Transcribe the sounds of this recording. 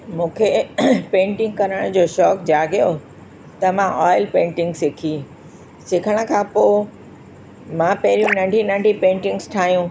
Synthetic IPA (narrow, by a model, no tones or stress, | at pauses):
mũːkʰepẽːɳʈɪ̃ŋɡ̚kɐɾəɽ̃d͡ʑoːʃɔːkd͡ʑaːɡjo | t̪ɐmãʔɔːɪlpẽːɳʈɪ̃ŋɡsɪkʰi | sɪkʰəɽ̃ə̆kʰãːpoː | mãpɐɦɪɾijũnɐ̃ɳɖʱinɐ̃ɳɖʱipẽːɳʈɪ̃ŋɡsʈʰaːɦijũ